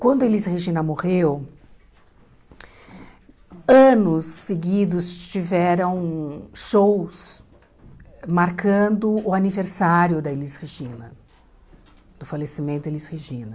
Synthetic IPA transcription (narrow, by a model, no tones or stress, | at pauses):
kwɐ̃nd̪ʊelisheʒĩnɐmohew | ɐ̃nʊsːeɡid̪ʊst͡ʃivɛɾɐ̃w̃ʃows | maɾkʰɐ̃d̪ʊʊaniveɾsaɾjʊd̪ɐelisheʒĩnɐ | d̪̥ʊfalesimẽnt̪ʊelisheʒĩnɐ